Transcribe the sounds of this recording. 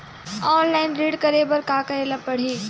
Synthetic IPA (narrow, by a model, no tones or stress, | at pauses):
ɔːnlaːɪnɾiːɽkɐɾebɐɾkaːkɐɾeːlapɐɽ̤iː